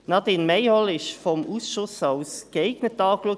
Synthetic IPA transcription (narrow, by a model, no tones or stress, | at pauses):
nɑtinmeɪhɔlɪʃfɔmʔuːsʃʊsaʊsɡ̥əeɪɡnətɑːkluə